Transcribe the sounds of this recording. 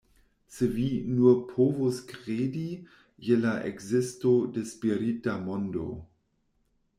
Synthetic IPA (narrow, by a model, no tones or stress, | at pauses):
sevinupʰovoskʁeːdi | jelaʔḛɡzɪstodespiɾitamondo̰